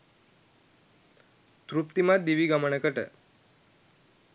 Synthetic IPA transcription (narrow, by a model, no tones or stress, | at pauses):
t̪ɾup̚t̪imãd̪iʋiɡaməɳ̃ekəʈḛ